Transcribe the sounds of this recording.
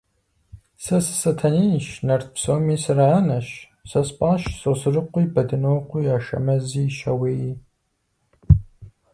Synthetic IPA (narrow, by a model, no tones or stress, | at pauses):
sɐsɨ̥sɐtʰɐniːnʃnɐrt̪psoːmiːsɨɾanɐʃ | sɐspʼaːʃsosɨrɨqʷiːbɐdɨnoːqʷʊjaːʃɐ̰mɐziːʃɐweːjiː